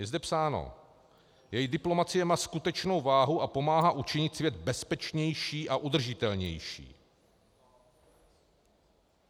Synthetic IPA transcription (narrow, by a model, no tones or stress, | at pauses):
jɛzd̪ɛpsaːno̰ | jɛjdɪplo̞mat͡sɪjɛmaːskut̪ɛt͡ʃno̞wvaːɦuʔapo̞maːɦaʔut͡ʃɪɲɪt̪svjɛd̪bɛspɛt͡ʃɲɛjʃiːʔaʔud̪r̩ʒɪt̪ɛlɲɛ̰jʃḭː